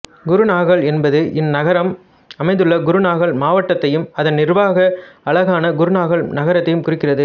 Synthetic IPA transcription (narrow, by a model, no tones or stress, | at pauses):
ɡʊɾɯnaːɣɐɭɛnbɐðɯʔɪnnɐɣɐɾɐm | ɐmɐɪðdɯɭːɐɡʊɾɯnaːɣɐɭmaːʋɐʈːɐt̪ːɐjɯmɐðɐnnɪrbaːɣɐɐɭɐɣaːnɐɡʊɾɯnaːɣɐɭnɐɣɐɾɐt̪ːɐjɯmkʊrɪkːɪrɐðɯ